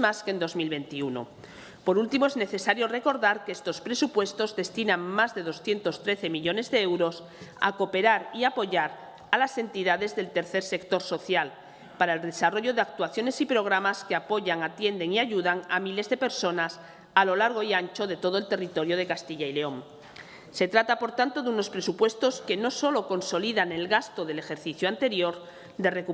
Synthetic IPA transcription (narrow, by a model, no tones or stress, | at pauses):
maskend̪o̞zmilβe̞nt̪iuno̰ | po̞ɾult̪imoezne̞θe̞saɾjo̞re̞ko̞ɾðaɾkeest̪o̞spɾe̞supwe̞st̪o̞zðe̞st̪inãŋmazðe̞ð̞o̞sθje̞nt̪o̞st̪ɾe̞θe̞miʎo̞ne̞zðeewɾo̞s | a̰ko̞pe̞ɾaɾiapo̞ʝaɾ | alase̞nt̪iðað̞e̞zðelt̪e̞ɾθe̞ɾse̞kt̪o̞ɾso̞θjal | paɾaelðe̞saro̞ʝo̞ðeak̚t̪uaθjo̞ne̞sipɾo̞ɣ̞ɾamaskeapo̞ʝaŋat̪je̞nd̪e̞ŋiaʝuðaŋamile̞zðe̞pe̞ɾso̞nas | alo̞laɾɣ̞o̞iant͡ʃo̞ð̞e̞t̪o̞ðo̞elt̪e̞rit̪o̞ɾjo̞ð̞e̞kast̪iʎaileo̞m | se̞t̪ɾat̪apo̞ɾt̪ant̪o̞ðuno̞spɾe̞supwe̞st̪o̞ske̞no̞so̞lo̞ko̞nso̞liðane̞lɣast̪o̞ð̞e̞le̞xe̞ɾθiθjoant̪e̞ɾjo̞ɾ | d̪e̞re̞ku